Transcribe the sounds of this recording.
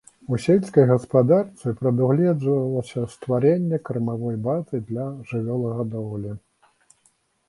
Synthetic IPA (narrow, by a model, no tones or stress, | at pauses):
usʲelʲsʲkɐjɣɐspad̪art̪sɨpɾɐd̪uɣlʲɛd͡z̪vɐlˠɐsʲɐst̪vaɾɛnʲːɛkɾɐmavɔjbazɨd̪lʲɐʐɨvʲɔlˠɐɣɐd̪ɔɣlʲi